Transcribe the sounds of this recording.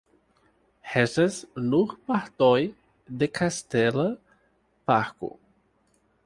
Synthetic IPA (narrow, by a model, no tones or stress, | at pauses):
hɛsɐsnuχpaɾt̪oj | d̪ekʰast̪ɛlɐ | paɾkʊ̰